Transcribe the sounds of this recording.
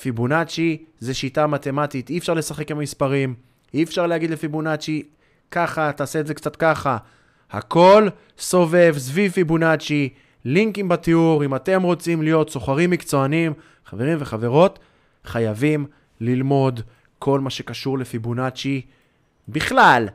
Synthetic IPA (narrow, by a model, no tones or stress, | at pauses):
fibunat͡ʃizeʃitamat̪e̞mat̪it̪iefʃaʁle̞saχe̞kimamispaʁim | iefʃaʁlehaɡid̪lefibunat͡ʃi | kaχataːse̞ːzekt͡sat̪kaχa | ha̰ko̞l | so̞ve̞vsvivfibunat͡ʃi | liŋkimbat̪iuʁimate̞mʁo̞t͡simlijo̞t̪so̞χaʁimːikt͡so̞anim | χave̞ʁimve̞χave̞ʁo̞t | χajavim | lilmo̞d | kʰo̞lmaʃe̞kaʃuʁle̞fibunat͡ʃi | biχlal